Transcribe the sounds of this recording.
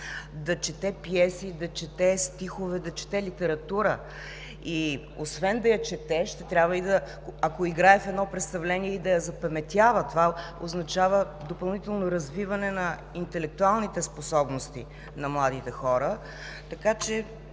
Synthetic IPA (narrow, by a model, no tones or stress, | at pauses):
d̪ɐt͡ʃɛt̪ɛpijɛsid̪ɐt͡ʃɛt̪ɛst̪ixovɛd̪ɐt͡ʃɛ̥t̪ɛlit̪ɛɾɐt̪uɾə̰ | i | osvɛnd̪ɐjɐt͡ʃɛt̪ɛʃt̪ɛt̪ɾʲabvəid̪ɐkoɐkoiɡɾaɛfɛd̪nɔpɾɛt̪st̪ɐvlɛniɛid̪ɐjɐzɐpɐmɛt̪ʲjavət̪ova | oznɐt͡ʃavə | d̪opɐlˠnit̪ɛlˠnoɾɐzvivɐnɛnɐ | int̪ɛlɛk̚t̪ualˠnit̪ɛsposɔbnost̪ḭ | nɐmlˠad̪it̪ɛxɔɾə | t̪ɐkat͡ʃɛ